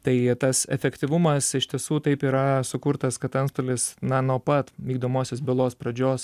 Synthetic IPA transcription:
t̪ɐɪt̪ɐsɛ̰fʲɛkt̪ʲiʋʊmɐsɪʃʲt̪ʲiɛsuːt̪ɐɪpiːɾɐsʊkʊɾt̪ɐskɐt̪ɐnst̪oːlʲɪsnɐnuɔpɐt̪ʋʲiːɡd̪oːmoːsʲoːsbʲɪlˠoːspɾɐd͡ʒʲoːs

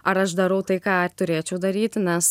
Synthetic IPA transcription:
ɐɾɐʃd̪ɐɾɐʊt̪ɐɪkɑːt̪ʊɾʲeːt͡ʃʲɛʊd̪ɐɾʲiːt̪ʲnʲɛs

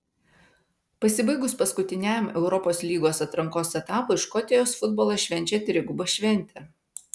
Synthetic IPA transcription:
pɐsʲɪbɐɪɡʊspɐskʊt̪ʲɪnʲæmɛʊɾɔpoːslʲiːɡoːsɐt̪ɾɐŋkoːsɛt̪ɑːpoːɪʃkɔt̪ʲɛjoːsfʊd̪bɔːlˠɐʃʲʋʲɛnʲˑt͡ʃʲɛt̪ʲɾʲɪɡʊbɐʃʲʋʲɛnʲˑt̪ʲɛ

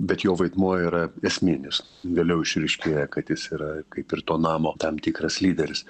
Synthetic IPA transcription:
bʲɛt̪joːʋɐɪd̪muɔiːɾɐɛsʲmʲɪnʲɪs | ʋʲeːlʲɛʊɪʃʲɾʲɛɪʃʲkʲeːjɛkɐt̪jɪsiːɾɐkɐɪpɪrt̪oːnɑːmoːt̪ɐmt̪ʲikɾɐslʲiːd̪ʲɛɾʲɪs

